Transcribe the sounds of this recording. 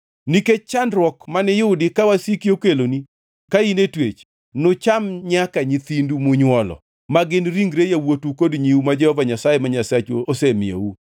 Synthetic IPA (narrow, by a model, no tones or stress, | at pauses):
niket͡ʃandɾwɔkmanɛjʊdɪkawasikiokeloni | kainetwet͡ʃ | nʊt͡ʃamɲakaɲit̪indumʊɲwɔlɔ̰ | maɡɪnɾiŋɡɾejawotukodɲiumad͡ʒɛhɔvaɲasajemaɲasat͡ʃoosemɪjo̰u